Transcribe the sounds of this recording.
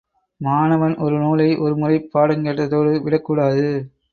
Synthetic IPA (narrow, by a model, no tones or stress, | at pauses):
maːnɐʋɐnʔɔɾɯnuːlɐɪʔɔɾɯmʊrɐɪpːaːɽɐŋɡeʈːɐðoːɽɯʋɪɽɐkːuːɽaːðɯ